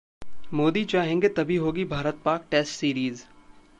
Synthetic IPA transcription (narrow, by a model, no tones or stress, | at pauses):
moːd̪it͡ʃaːɦẽːŋɡet̪ɐbʱiɦoːɡibʱaːɾət̪̚paːk̚ʈeːsʈsiːɾiːz